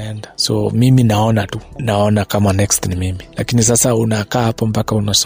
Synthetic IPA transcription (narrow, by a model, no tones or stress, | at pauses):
ɛndasɔ̰miminaɔnatunaɔnakamanɛkstnimimilakinis̬asaunakaːhapɔmpakaunas